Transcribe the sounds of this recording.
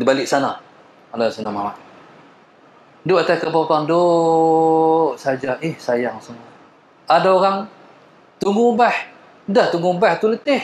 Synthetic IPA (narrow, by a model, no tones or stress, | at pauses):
dibalɪʔ̚sana | alasanamamaʔ | doʔat̪akapakaŋndo | ʔsad͡ʒaʔɪhsajaŋsəŋa | adaoɣaŋ | t̪uŋɡubah | daht̪uŋɡubaht̪ulət̪ɪh